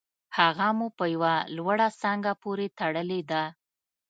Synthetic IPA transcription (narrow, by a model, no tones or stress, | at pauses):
haɣamupəjawalwaɽasɑŋɡapoɾet̪aɽəled̪a